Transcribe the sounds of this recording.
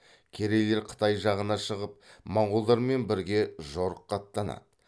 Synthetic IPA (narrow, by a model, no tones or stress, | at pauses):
kʲʰeɾe̞le̞ɾqʰə̥t̪ɑjʒɑʁənɑʃəʁəp̚mɑɴʁʊlˠd̪ɑɾme̞nbɪɾɡʲe̞ʒo̞ɾəqːɑt̪ːɑnɑ̰d̪̥ə